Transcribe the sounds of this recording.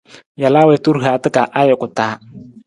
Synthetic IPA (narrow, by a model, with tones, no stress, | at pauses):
ja˨laː˦wɛ˨tu˦ɾɦaː˨˦tɪ˦ka˨ʔa˦jɛ˨kʊ˨taː˨˦